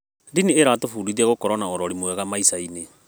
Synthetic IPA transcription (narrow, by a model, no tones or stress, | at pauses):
dinieɾaːtofuɾiðaɣokɔɾɔnaɔɾɔɾimowɛɣamaisaine